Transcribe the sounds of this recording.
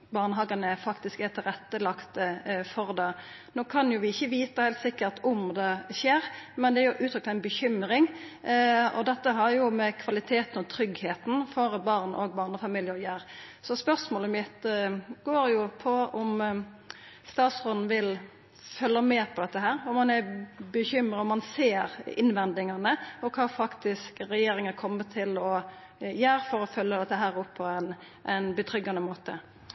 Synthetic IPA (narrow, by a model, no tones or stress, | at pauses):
bɑːʁnəɦɑːɡɑnəfɑkt̪ɪskæt̪ʰɪlʁɛt̪ːəlɑkt̪əfɔʁd̪ɛ | noːkʰɑnjʊʋɪɪçːəʋiːt̪əhæɪlt̪sɪkːəɾt̪ʊmd̪ɛʃeːɾmɛnd̪ɛæɾjʊʔʉːt̪ɾʏk̚t̪æɪnbəçʏmɾɪŋ | ɔd̪ɛt̪ːəɦɑɾjʊmɛkʰʋɑlɪt̪ʰeːt̪n̩ɔt̪ʰɾʏɡheːt̪n̩fɔɾbɑːʁnʔɔɡbɑːʁnəfɑmiːljəɾjeːɾ | sɔspœʁsmoːləmɪt̪ɡoːɾjʊpʰɔʊm | st̪ɑːt̪sʁod̪n̩ʋɪl | fœlːəmeːpʰɔd̪ɛt̪ːəɦæːɾʊmɑnæbəçʏmɾəɔmːɑnseːɾɪ̰nʋɛnd̪ɪŋɑnəɔkʰɑːfɑkt̪ɪskɾɛjeːɾɪŋəkʰɔmːət̪ʰɪlɔ | jæːɾfɔɾɔfœlːəd̪ɛt̪ːəɦæːɾɔpʰːɔɛn | ʔɛnbət̪ʰɾʏɡːɑnəmoːt̪ə̰